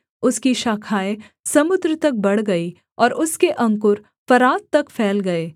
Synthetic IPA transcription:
ʊskiʃaːkʰaːe | sɐmʊd̪ɾət̪ɐk̚bɐɽ̤ɡɐi | ɔːɾʔʊskeʔɐ̃ŋkʊɾ | fɐɾaːt̪̚t̪ːɐkfʰɛːlɡɐeː

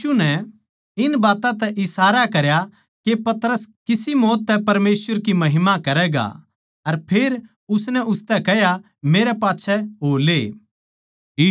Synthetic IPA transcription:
unɛ | ɪnbaːt̪ãt̪ɛʔɪsaːɾakɐɾja | kepɐt̪ɾəskɪsimɔːt̪ːɛpɐɾmeːsʋəɾkimɐɦɪmakɐɾɛɡa̰ | ɐɾpʰeːɾ | ʊsnɛʊst̪ɛkɛja | meːɾɛpaːtːʃʰɛɦoːleː | iː

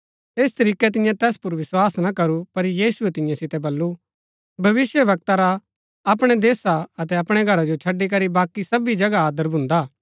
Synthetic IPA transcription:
eːst̪ɐɾiːkɛt̪̬ɪjãt̪ɛːspʊɾʋɪswaːsnakɐɾupɐɾjiːsuɛt̪ɪ̃jãsɪt̪ɛbɐlːu | bʱɐʋɪsjəʋɐk̚t̪aɾa | ɐpɽ̃ɛd̪eːsaɐt̪ɛɐpɽ̃ɛɡʱɐɾad͡ʒot͡ʃʰɐɖːik̬ɐɾibaːkːisɐbid͡ʒɐɡaaːd̪əɾbʱʊ̃nd̪aː

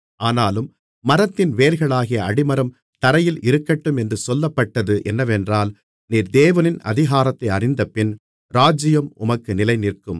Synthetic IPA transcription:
ʔaːnaːlɯmː | ɐɾɐt̪ːɪnʋeːlɣɐɭaːɣɪjɐɐɽɪmɐɾɐm | t̪ɐɾɐjɪlʔɪɾɯkːɐʈːɯmɛndrɯsɔlːɐpːɐʈːɐðɯʔɛnːɐʋɛndraːl | niːɾd̪eːʋɐnɪnɐ̰ðɪɣaːɾɐt̪ːɐɪɐrɪnd̪ɐpɪn | ɾaːd͡ʒɪjɐmʊ̰mɐkːɯnɪlɐɪnɪrkɯm

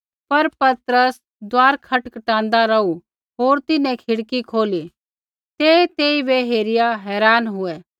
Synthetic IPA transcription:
pɐɾpɐt̪ɾəs | d̪waːɾkʰɐʈkəʈãːnd̪aɾɐu | ɦoːɾt̪ɪnɛ̃kʰɪɽkikʰoːli | t̪eːt̪eːibeɦeːɾɪjaɦɛːɾaːnɦʊɛː

